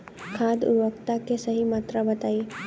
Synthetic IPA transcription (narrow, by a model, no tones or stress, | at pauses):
kʰaːd̪ṵɾʋəkt̪akesəɦimaːt̪ɾabɐt̪aːi